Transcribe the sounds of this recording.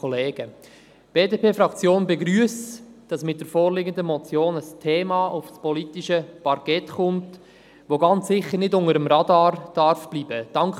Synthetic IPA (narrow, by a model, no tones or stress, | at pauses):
ɔleːɡ̥ə | b̥eːdeːpʰeːfɾɑkt͡sjoːnbɛɡɾyəsd̥ɑsmɪt̚d̥əɾfoːɾlɪɡəndəmɔt͡sjoːnəstʰeːmɑʔʊfspɔlitiʃəpɑɾkɛtχʊnt | ʋoɡɑnt͡sːɪχəɾnɪdʊŋəɾəmɾɑdɑːrd̥ɑɾfb̥liːb̥əd̥ɑŋk